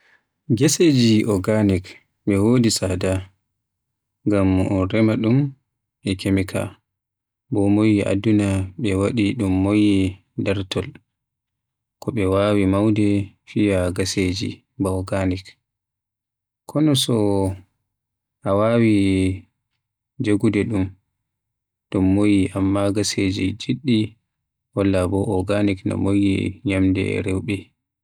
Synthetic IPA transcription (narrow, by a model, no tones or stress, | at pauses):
ɡesed͡ʒiʔɔɡanik | ɓɛwoːdisada | ŋɡamɔɾɛmaɗum | ɓɛkemikʰa̰ | bɔmojiʔa̰dunaɓɛwaɗiɗumːoji | daɾtʰɔl | kɔɓɛwaːwimawdɛ | fijaɡased͡ʒḭ | bɔɡanik | kʰːɔnɔsɔ | ʔawawi | d͡ʒoɡudɛɗum | ɗumːojiʔamːaɡased͡ʒid͡ʒiɗːi | wɔlːabɔʔɔɡaniknɔ̰mojḭɲamdɛ̰ɾɛwɓɛ